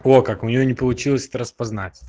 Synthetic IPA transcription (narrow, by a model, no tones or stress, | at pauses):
okakʊnʲɪjonʲɪpəlˠʊt͡ɕilˠəsʲɛ̥t̪əɾəspɐznatʲ